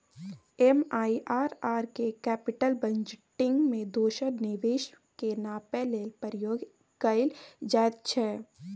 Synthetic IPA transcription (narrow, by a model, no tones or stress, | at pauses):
emaːiʔaːɾaːɾkekɛːpɪʈəlbə̃ɲd͡ʒʈɪ̃ŋɡmẽd̪oːʃəɾnɪʋeːʃ | kenaːpɛːlelpəɾɪjoːɡ | kəɪld͡ʒaːt̪̚t͡ʃʰɛː